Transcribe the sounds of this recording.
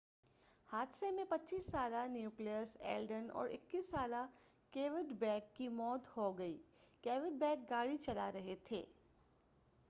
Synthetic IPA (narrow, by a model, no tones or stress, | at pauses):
haːt̪semẽpɐtːt͡ʃiːsːaːlanjuːklijəɾsḛːlɖənɔ̰ːɾʔɪ̰kːiːsːaːla | keːʋɪɖbɛːkːimɔːt̪hoɡɐḭː | keːʋɪɖ̚bɛːk̚ɡaːɽit͡ʃɐlaɾɐɦet̪ʰḛː